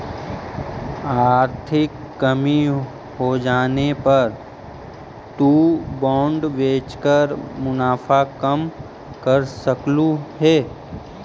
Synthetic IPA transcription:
aːɾt̪ʰɪkːəmi | ɦod͡ʒaːnepɐɾ | t̪uːbɔ̃ːɳɖʋeːt͡ʃkəɾmʊnaːfʰakəm | kɐɾsəklũɦɛː

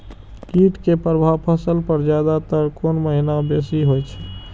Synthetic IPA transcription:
kiʈkepɾəbʱaʋpʰəsəlpəɾd͡ʒjad̪at̪əɾkonməɦinabesiɦojt͡ʃʰɛ̥

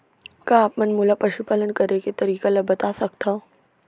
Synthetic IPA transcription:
kaːpmɐnmʊlapɐʃupalənkɐɾeket̪ɐɾiːkalɐbɐt̪asɐkt̪aɦõ

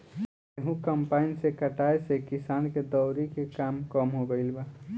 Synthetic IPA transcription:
eɦũkəmpainsekəʈaesekisanked̪ɔʊɾikekamkəmɦoɡəɪlba

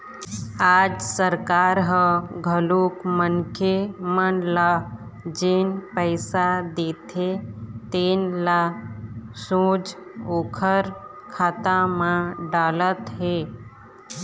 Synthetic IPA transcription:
aːd͡ʒsəɾkaːɾɦəɡʱəlukmənkʰemənla | d͡ʒeːnpəɪsad̪eːt̪ʰet̪eːnla | sũːd͡ʒokʰəɾ | kʰaːt̪amãɖaːlət̪ɦe

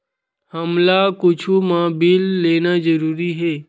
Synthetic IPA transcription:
həmlakʊt͡ʃʰumãbɪlːeːnazəɾuːɾiɦeː

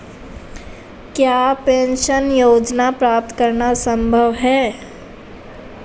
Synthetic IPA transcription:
kjaːpẽːnʃənjoːd͡ʒnapɾaːp̚t̪kəɾnasə̃mbʱəʋɦɛː

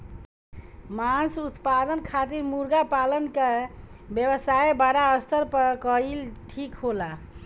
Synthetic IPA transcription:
mansut̪pad̪ənkʰat̪iɾmuɾɡapalənkebjəbəsaebaɽaəst̪əɾpəkəilʈʰikɦola

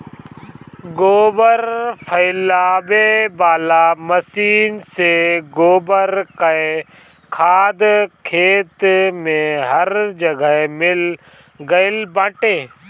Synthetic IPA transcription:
ɡoːbəɾpʰəɪlaːbebaːlaːməsiːnseːɡoːbəɾkəe | kʰaːd̪kʰeːt̪mẽɦəɾd͡ʒəɡəɦemɪl | ɡəɪlbãːʈeː

